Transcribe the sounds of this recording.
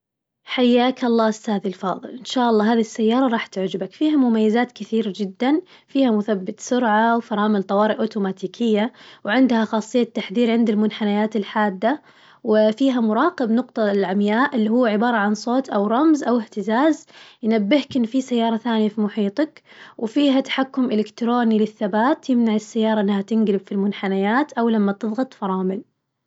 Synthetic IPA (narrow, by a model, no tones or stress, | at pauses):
ħajːaːkɑlˤːɑːɪst̪aːðilfɑ̰ːðˤɨ̰lʔɪnʃaːʔɑlˤːɑːɦaːðisːajːɑːɾˤɑɾˤɑːħt̪ɪʕd͡ʒɪbakfiːɦamʊmajːɪzaːt̪kɪθiːɾad͡ʒɪd̪ːan | fiːhamʊθabːɪt̪sʊɾʕawfɑɾˤɑːmɪlt̪ˤɑwɑːɾɪʔoːt̪uːmaːt̪iːkʰɪjːawʕɪnd̪haxɑːsˤːɨjːat̪ːaħðiːɾʕɪnd̪ɪlmʊnħanajaːt̪ɪlħaːd̪ːa | wɪfiːɦamʊɾˤɑːqɪbnʊqt̪ˤɑlʕamjaːʔɪlːiːhuːʕɪbɑːɾˤɑʕansˤoːt̪ʔawɾˤɑmzʔawɪħt̪ɪzaːzjnabːɪhkɪnːfisajːɑːɾˤɑθaːnijafimʊħiːt̪ˤɑkwfiːɦat̪ḁħakːʊmʔɪlɪkt̪ɾoːnilɪθːabaːt̪jɪmnaʕɪsːajːɑːɾˤɑʔɪnːhat̪ɪnɡlɪbfilmʊnħanajaːt̪ʔawlamːat̪ɨðˤɣɑt̪ˤfɑɾˤɑːmɪl